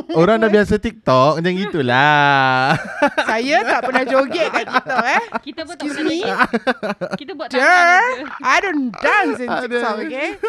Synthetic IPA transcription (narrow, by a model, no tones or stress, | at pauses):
oɾaŋnaʔbias̬ət̪ik̚t̪ɔk̚d͡ʒaŋit̪ula | sajat̪aʔpənahd͡ʒoɡɛʔ̚kait̪ɔk̚ɛskjusmi | də | ajdõndãnsɪsɔke